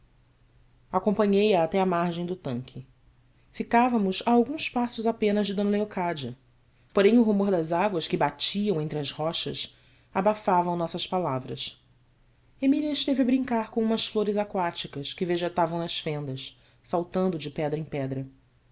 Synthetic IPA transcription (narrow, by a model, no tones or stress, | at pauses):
akõmpɐ̃ɲejɐːt̪ɛamaɾʒẽj̃d̪ʊt̪ɐ̃ŋkʲʰɪ | fikavɐmʊzaːwɡũspasʊzapẽnɐzd͡ʒɪd̪õnɐleokad͡ʒiɐ | poɾẽj̃ʊɦumoɾd̪ɐzaɡwɐskɪbat͡ʃiɐ̃w̃ẽnt̪ɾɪɐzhɔʃɐ̰s | abafavɐ̃w̃nɔsɐʃpalavɾɐ̰s | emiliɐɪʃt̪evɪɐbɾĩŋkaɾkõũmɐsfloɾɪzakwat͡ʃikɐskɪveʒet̪avɐ̃w̃nɐʃfẽnd̪ɐʃ | sawt̪ɐ̃nd̪ʊd͡ʒɪpɛd̪ɾɐẽj̃pɛd̪ɾɐ